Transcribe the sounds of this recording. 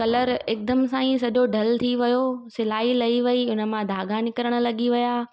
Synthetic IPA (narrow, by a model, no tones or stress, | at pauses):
kɐləɾɪːk̚d̪əmsãːĩsɐʄoɖʱɐlt̪ʰiʋɐjosɪlaːilɐiʋɐiʊnə̆mãd̪ʱaːɡanɪkəɾəɽ̃ə̆lɐɠiʋɐjaː